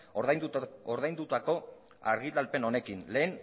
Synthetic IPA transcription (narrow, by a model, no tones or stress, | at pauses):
oɾðajnd̪ut̪ako̞ | a̰ɾɣit̪alpe̞no̞ne̞kinle̞ːn